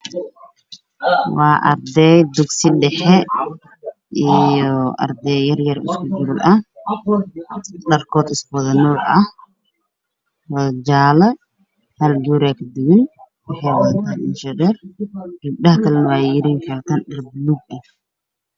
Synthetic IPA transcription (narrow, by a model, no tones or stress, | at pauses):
wɑːʔɐ̰rd̪ɛjd̪ʊɡsɪɖɛħɛ | ʔijɔʔɐ̰rd̪ɛjɐrjɐrɪ̰skʰʊd͡ʒʊɾlʔɐh | ɖɐrkʰɔːd̪ɪskʰʊwɐðɐnuːlɐh | wɐðɐd͡ʒaːlɐ | hɐlɡuɾɛkʰɐd̪ɪɣɪn | wɑħɑjwɐðnt̪ʰaːnɪ̰nʃɛnɛrɡ̥ɐb̚ɗɐhɐkʰɐlɛnɐwɑːjɪɾiːŋkʰɐlt̪ʰaːnɖɐrbluːɡ̚ɐh